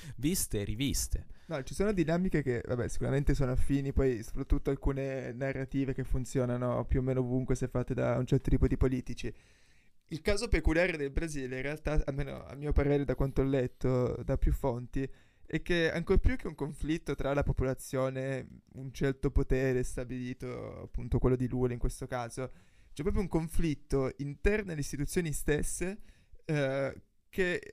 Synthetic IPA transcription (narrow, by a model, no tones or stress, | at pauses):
vist̪eɾivist̪enɔt͡ʃisoːnod̪inaːmikek̟eva̰bɛ̰si̥kuɾament̪esoːnoafiːnipɔjso̥pɾat̪ːut̪ːoalkuːnenarːat̪iːvek̟efːunt̪sjoːnanopjuomːeːnoovuŋkwesɛfːat̪ːed̪a̰unt͡ʃɛrt̪ot̪iːpod̪ipoliːt̪it͡ʃi | ilkaːzopekuljaːɾed̪elbɾaziːlẽɾrealt̪aa̰lmːeːno̰a̰mːiːopaɾeːɾed̪akwant̪oalːɛt̪ːod̪apːjufːont̪i | ɛk̟ːea̰ŋkorpjuk̟ːeuŋkoɱflit̪ːot̪ɾalapopolat̪sːjoːneunt͡ʃɛrt̪opot̪ɛːɾest̪abiliːt̪o̰a̰pːunt̪okwelːod̪iluːleiŋkwest̪okaːzo | t͡ʃɛpːɾɔːpɾjouŋkoɱflit̪ːoint̪ɛrnoelːeist̪it̪ut̪sjoːnist̪esːe | k̟e